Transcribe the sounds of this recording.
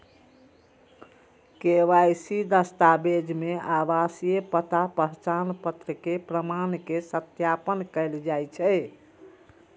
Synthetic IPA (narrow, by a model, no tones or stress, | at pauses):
keʋajsid̪əst̪abed͡ʒmeabasijepət̪apəɦt͡ʃanpət̪ɾəkepɾəmankesət̪japənkəɪld͡ʒajt͡ʃʰɛ